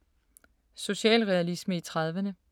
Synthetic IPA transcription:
so̝ɕɛ̰ːlʁɛælisməit͡sʰʁɑð̞ˠʋənə

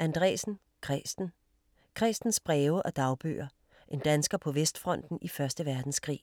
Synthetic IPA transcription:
ʔænd̥ʁɛ̰ːsn̩ | kʰʁɛsd̥n̩ | kʰʁɛsd̥n̩sb̥ʁɛːʊəʔɒ̽d̥ɑ̈ʊb̥ø̰ːɐ | ʔe̝nd̥ænsɡ̥ɐpʰɒ̽ʋesd̥fʁɒ̽n̰d̥n̩ifɶɐsd̥əʋæɐd̥n̩skʰʁḭː

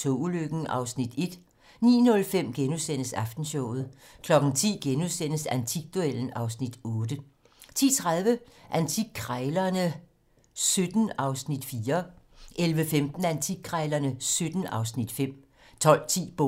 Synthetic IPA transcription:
t͡sʰo̰uløɡ̥n̩ʔɑ̈ʊsnid̥e̝d̥ | nḭːnɔ̽lfem̰ɡ̥enusen̰əsɑ̈fd̥n̩ɕɔʊ̰ð̩ˠ | kʰlɒ̽ɡ̥n̩t͡sʰḭːɡ̥enusen̰əsænt͡sʰiɡ̥̚d̥uel̰n̩ɑ̈ʊsnid̥ɔ̽ːd̥ə | t͡sʰḭːt͡sʰʁaðˠʋəʔænt͡sʰiɡ̚kʰʁaɪlɐnə | sød̥n̩ɑ̈ʊsnid̥fiːɐ | ʔelʋəfemd̥n̩ænt͡sʰiɡ̥̚kʰʁɑɪlɐnəsød̥n̩ɑ̈ʊsnid̥fem̰ | t͡sʰɒ̽l̰t͡sʰḭːb̥o

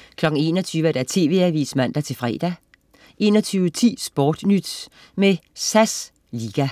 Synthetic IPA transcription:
kʰlɒ̽ɡ̥ŋ̩e̝̰ːnɒt͡sʰyːʋæd̥æt͡sʰe̝̰ːʋe̝æʋḭsmæn̰d̥æt͡sʰe̝lfʁɛ̰ːd̥æ | ʔe̝ːnɒt͡sʰyːʊət͡sʰḭːsb̥ɒːd̥nyd̥ | mesæs | liːɡ̥æ

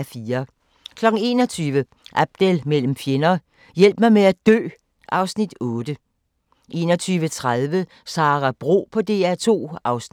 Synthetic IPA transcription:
fiːɐ | kʰlɒ̽ɡ̥ŋ̩e̝̰ːnɒ̽t͡sʰyːʋə | ʔæb̥̚d̥elmel̰m̩fjenɐː | jel̰b̥mɑɪmeæd̥ø̰ː | ʔɑ̈ʊsnid̥ɔ̽ːd̥ə | ʔe̝ːnɒt͡sʰyːʋət͡sʰʁað̞ˠʋə | sɑ̈ːʁæb̥ʁo̝̰ːpʰɒ̽d̥e̝̰ːæt͡sʰo̝̰ːɑ̈ʊsn

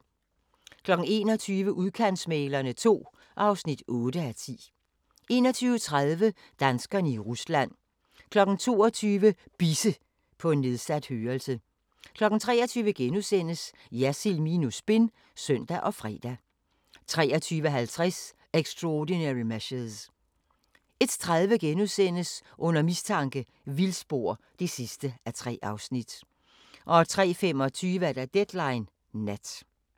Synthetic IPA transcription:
kʰlɒ̽ɡ̥n̩e̝ːnɒt͡sʰyːʋəʔuðˠkʰæn̰smeːlɐnət͡sʰo̝̰ː | ʔɑ̈ʊsnid̥ʔɔ̽ːd̥əæt͡sʰḭː | e̝̰ːnɒt͡sʰyːʊət͡sʰʁaðˠʋə | d̥ænsɡ̥ɐnəiʁuslæn̰ | kʰlɒ̽ɡ̥n̩t͡sʰo̝̰ːɒt͡sʰyːʋəb̥isə | pʰɒ̽e̝nːe̝ðˠsæd̥høːɐlsə | kʰlɒ̽ɡ̥n̩t͡sʰʁɛ̰ːɒt͡sʰyːʋəɡ̥enusen̰əs | jæsilminusb̥e̝n | sœn̰d̥æʔɒ̽fʁɛ̰ːd̥æ | t͡sʰʁɛ̰ːɒ̽t͡sʰyːʋəɦælt͡sʰʁɛs | eɡ̥sd̥ʁɔdinæʁimæɕeðˠs | e̝d̥t͡sʰʁaðˠʋəɡ̥enusen̰əsʔɔ̽n̰ɐmist͡sʰɑ̈ŋɡ̥ə | ʋilsb̥o̝ɐ̰ | d̥e̝sisd̥əæt͡sʰʁɛ̰ːʔɑ̈ʊsnid̥ | ʔɒ̽t͡sʰʁɛ̰ːfem̰ɒ̽t͡sʰyːʋəæd̥æd̥ed̥lɑ̈ɪnː | æd̥

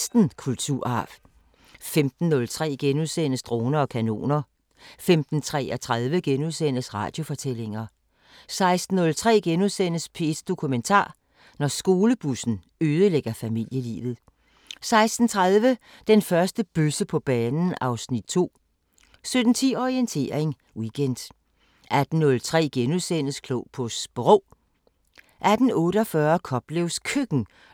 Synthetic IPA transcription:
sd̥n̩kʰult͡sʰuɐ̰ɑ̈f | femd̥n̩ːɔ̽lt͡sʰʁɛ̰ːɡ̥enuðˠsen̰əsd̥ʁo̝ːnɐɒ̽kʰæno̝̰ːnɐ | femd̥n̩t͡sʰʁɛ̰ɒt͡sʰʁað̞ˠʋəɡ̥enuðˠsen̰əsʁɑ̰̈d̥jo̝fɒ̽t͡sʰel̰e̝ŋɐ | sɑ̈ɪsd̥n̩ːɔ̽lt͡sʰʁɛ̰ːɡ̥enuðˠsen̰əspʰe̝sd̥o̝kʰument͡sʰɑ̰̈ː | nɒsɡ̥o̝ːləb̥usn̩ | øːð̞ˠəleɡ̥ɐfæmil̰jəlḭːʋð̞̩ˠ | sɑ̈ɪsd̥n̩t͡sʰʁaðˠʋə | d̥enfɶɐsd̥əb̥øsəpʰɒ̽b̥ɛːnn̩ɑ̈ʊsnid̥̚t͡sʰo̝̰ː | sød̥n̩t͡sʰiɒʁient͡sʰe̝̰ːɐeŋ | wiɡ̥ʰend̥ | ʔæd̥n̩ːɔ̽lt͡sʰʁɛ̰ːɡ̥enuðˠsen̰əskʰlopʰɔ̽sb̥ʁɔː | ʔæd̥n̩ɔ̽ːɾəɒfɶːɐkʰɒ̽b̥leʊskʰøɡ̥n̩

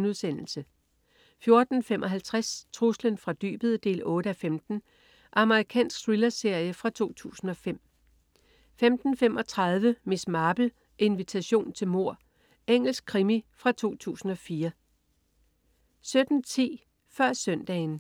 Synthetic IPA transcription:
nuðˠsen̰l̩sə | fjo̝ɐd̥n̩fem̰ʔɒ̽ɦælt͡sʰʁast͡sʰʁuslənfʁɑ̈d̥y̰ːb̥əð̞̩ˠəd̥e̝̰ːlɔ̽ːɾəæfemd̥n̩ | ʔɑ̈məʁikʰɛ̰ːnsɡ̥sʁilɐse̝ɐ̰jəfʁɑ̈t͡sʰo̝̰ːt͡sʰṵːsn̩ɒ̽fem̰ | femd̥n̩femʔɒ̽t͡sʰʁɑ̈ð̞ˠʋəmismɑ̈ːb̥l̩ | ʔe̝nʋit͡sʰæɕo̝̰ːnt͡sʰe̝lmo̝ɐ̰ | eŋ̰l̩sɡ̥̚kʰʁimifʁɑ̈t͡sʰo̝̰ːt͡sʰṵːsn̩ɒ̽fiːɐ | sød̥n̩t͡sʰḭː | fɶɐ̰sœn̰d̥ɛ̰ːɪn

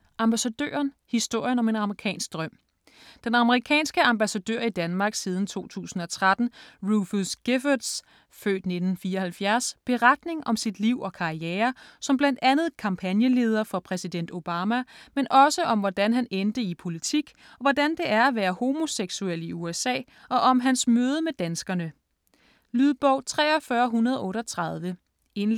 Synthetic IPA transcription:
ʔɑ̈mb̥æsæd̥ø̰ːɐnhisd̥o̝ɐ̰jənɒ̽me̝nɑ̈məʁikʰɛ̰ːnsɡ̥̚d̥ʁɶm̰ | d̥enɑ̈məʁikʰɛ̰ːnsɡ̥əɑ̈mb̥æsæd̥ø̰ɐ̰id̥ænmɑ̈ːɡ̥siːð̞ˠn̩t͡sʰo̝̰ːt͡sʰṵːsn̩ɒ̽t͡sʰʁad̥n̩ʁuflsɡ̥efɐd̥s | fø̰ːd̥ne̝d̥n̩fiːɐɒhælfjæɐsb̥e̝ʁad̥ne̝ŋɒ̽msid̥liʊ̰ɒ̽kʰɑ̈ieːɐsɒ̽mblænd̥ænð̞̩ˠkʰɑ̈mpʰænjəle̝ːð̞ˠɐfɒ̽pʰʁɛsid̥en̰d̥o̝b̥ɑːmæmenʔɒ̽səʔɒ̽mʋɒd̥ænɦænend̥əipʰo̝lit͡sʰiɡ̥ | ɒ̽ʋɒd̥ænd̥e̝æɐæʋæːɐho̝mo̝seɡ̥sueliuesɛ̰ː | ʔɒ̽ʔɒ̽mɦænsmøːð̞ˠəmed̥ænsɡ̥ɐnə | lyðˠb̥ɒʊt͡sʰʁɛ̰ːɒfɶːɐɦunɐð̞ˠɒʔɔ̽ːɾɒ̽t͡sʰʁɑðˠʋə | e̝n

